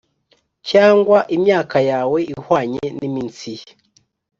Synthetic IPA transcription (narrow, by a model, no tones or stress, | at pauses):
caːŋɡwaʔimɲaːkajaːwe̞ʔihwaːɲenimint͡si